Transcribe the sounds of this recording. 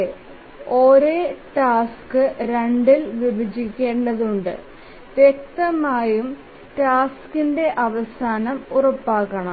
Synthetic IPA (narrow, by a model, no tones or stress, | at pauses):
e | o̞ːɾeːʈaːskɨɾeɳɖilʋibʱɐd͡ʑikʲːe̞ːɳɖɐðuɳɖɨ̰ | ʋjek̚t̪ɐmaːjum | ʈaːskinde̞ʔɐʋɐsaːnɐmurɐpːaːkːɐɳɐ